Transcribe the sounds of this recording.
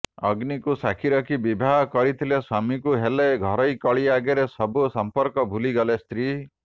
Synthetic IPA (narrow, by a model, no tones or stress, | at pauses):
ɔɡnikusakʰiɾɔkʰibibʱaɦɔkɔɾit̪ʰilesɔmikuɦeleɡʱɔɾɔjkɔɭiaɡeɾesɔbusɔmpɔɾkɔbʱuliɡɔlest̪ɾi